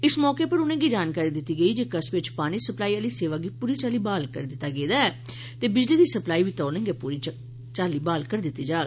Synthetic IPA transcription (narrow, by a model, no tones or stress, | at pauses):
ɪsmɔːkeːpəɾʊnẽːɡiːd͡ʒaːnkaːɾiːd̪ɪt̪ːiːɡəiːd͡ʒeːkəsʋɪt͡ʃpaːñiːsəplaːiːəliːseːʋaːɡiːpuːɾiːt͡ʃaːliːbaːlkə̰ɾd̪ɪt̪ːaːɡeːd̪aːɛː | t̪eːbɪd͡ʒliːd̪iːsəplaːiːʋiːt̪ɔːlə̃ːŋɡeːpuɾi | t͡ʃaːliːbaːlkəɾd̪ɪt̪ːiːd͡ʒaːɡ